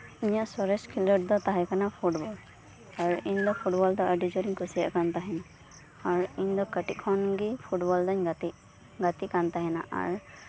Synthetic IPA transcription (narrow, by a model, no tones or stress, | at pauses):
iɲjaʔsɔɹɛskʰilɔʈ̚d̪ɔt̪aɦɛkʰanapʰuʈbɔl | aɹiɲd̪ɔpʰuʈbɔld̪ɔaɖizɔɾiŋkusija̰ʔkant̪aɦɛna | aɹiɲd̪ɔkəʈiʔkʰɔnɡipʰuʈbɔld̪aɲɡt̪i | ɡat̪ikant̪aɦɛna̰ʔa̰ɹ